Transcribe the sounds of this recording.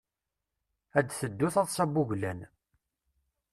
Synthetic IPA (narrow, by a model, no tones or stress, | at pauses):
æd̪θəd̪ːʊθɑðˤsˤɑbuʝlæn